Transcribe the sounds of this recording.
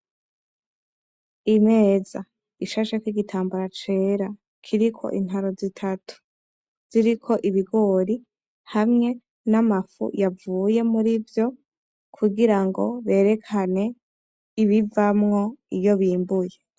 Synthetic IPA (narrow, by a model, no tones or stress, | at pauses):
ime̞ːza | iʃaʃekwiɡitʰaːmbaɾat͡ʃe̞ːɾa | kʰiɾikʰo̞̰ʔḭn̥ɦaɾo̞zitʰatu̥ | z̥iɾikʰo̞ʔiβiɡo̞ːɾi | hamŋe̞ | namafṵjavuːje̞muɾivjo̞ | kʰuɡiɾaŋɡo̞̰βe̞ːɾe̞kʰane̞ | iβivamŋo̞ijoβiːmbuje